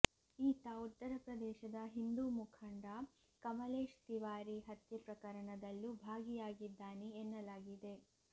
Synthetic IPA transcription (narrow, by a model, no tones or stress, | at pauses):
iːt̪aut̪ːɐɾɐpɾɐd̪ɛːʃɐd̪ɐɦind̪umukʰɐɳɖa | kɐmɐleːʃt̪iʋaːɾiɦɐt̪jɐpɾɐkɐɾɐɳɐd̪ɐlːubʱaːɡijaːɡid̪ːaːneːnːɐlaːɡid̪e̞